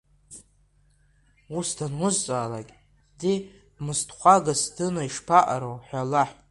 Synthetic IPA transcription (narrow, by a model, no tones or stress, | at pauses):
usdanwʊzt͡sʼaːla̰kʲʼ | di | mɨstʰʼχʷaɡasdɨnaiʂpʰaʔa̰ɾowħʷalaħʼ